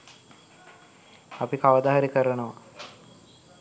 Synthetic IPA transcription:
apikaʋɐd̪aɦaɾikəɾənəʋa

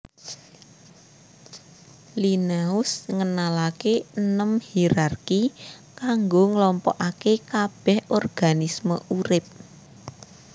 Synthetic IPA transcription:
linaʊsŋənalakenəmhiɾarkikaŋɡoŋəlɔmpɔʔakekab̥ɛ̤hɔrɡ̥anisməʔuɾɪp̚

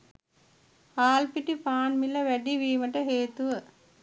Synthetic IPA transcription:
aːlpiʈipaːnmilɐʋæɖiʋiːməʈəɦeːt̪uʋə

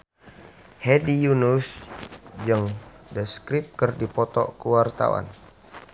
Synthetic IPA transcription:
hɛdijunus | d͡ʒəŋdəskɾip̚kərdipɔt̪ɔ̰kəwart̪a̰wa̰n

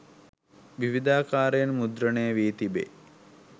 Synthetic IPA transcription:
ʋiʋid̪aːkaːɾjɐnmud̪ɾɐɳejəʋiːt̪ibḛ

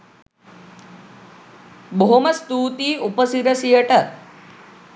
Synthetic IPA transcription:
bʱomɐst̪uːt̪iupəsiɾɐsijɐʈɐ

